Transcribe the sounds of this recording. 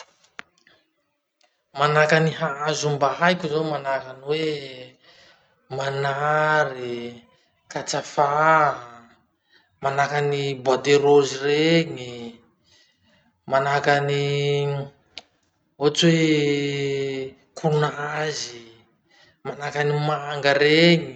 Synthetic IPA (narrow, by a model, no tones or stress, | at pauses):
manakaniɦaazumbaɦajkʲuzamanakaniwe | manaɾi | kat͡safa | manakanibad̪eɾozireɲi | manakani | ot͡swe | kunazi | manakanimaŋɡaɾeɲi